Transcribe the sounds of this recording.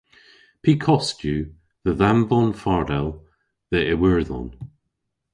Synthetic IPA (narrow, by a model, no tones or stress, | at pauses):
pʰikʰɔstjʉ | ðəðamvɔnfaɹdɛlˠ | ðəʔɛwəɹðɔ̰n